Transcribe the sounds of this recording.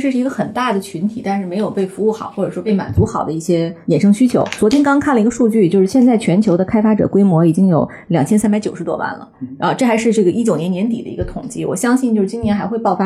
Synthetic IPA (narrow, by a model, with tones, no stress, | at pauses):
ʂɻ̩˥˧ʂɻ̩˥˩i˧˥ɡə˧xə˨˩nt̪a˥˩d̪ə˩t͡ɕʰy˧˥nt̪ʰi˨˩t̪a˥˧nʂɻ̩˥˩me˧˥ɪjo˨˩ʊpe˥˩ɪfu˧˥u˥˩xɑ̰˨˩˦ʊxwɔ˥˩ʈ͡ʂɤ˨˩ʂwɔ˥pe˥˩ɪma̰˨˩nt͡su˧˥xɑ˨˩ʊd̪ə˦i˥˩ɕjɛ˥jɛ˨˩nʂɤ˥ŋɕy˥t͡ɕʰjo̰˧˥ʊt͡swɔ˧˥t̪ʰjɛ˥nkɑ˥ŋ˥kʰa˥˩nlə˩i˧˥ɡə˧ʂu˥˧t͡ɕy˥˩t͡ɕjo˥˧ʊʂɻ̩˥˩ɕjɛ˥˧nt͡sa˥˩ɪt͡ɕʰɥɛ˧˥nt͡ɕʰjo˧˥ʊd̪ə˧kʰa˥ɪfa˥ʈ͡ʂɤ̰˨˩kwe˥ɪmwɔ˧˥i˨˩t͡ɕi˥ŋjo˨˧˩ʊ | ljɑ˨˩ŋt͡ɕʰjɛ˥nsa˥npa˧˥ɪt͡ɕo˨˩ʂɻ̩˧˥t̪wɔ̰˥wa̰˥˩nlə̰˩˧˥nxo˧ʈ͡ʂɤ˥˩xa˧˥ɪʂɻ̩˥˧ʈ͡ʂɤ˥˩ɡə˩ʔi˥t͡ɕjo˨˩ʊnjɛ˧˥njɛ˧˥nt̪̬ḭ˨˩d̪ə̰˦ḭ˧˥ɡə˧t̪ʰʊ˨˩ŋt͡ɕi˥˩wɔ̰˨˩ɕjɑ˥ŋɕi˥˧nt͡ɕjo˥˧ʊʂ̩˥˩t͡ɕi˥njɛ˧˥nxa˧˥ɪxwɪpɑ˥˧ʊfa˥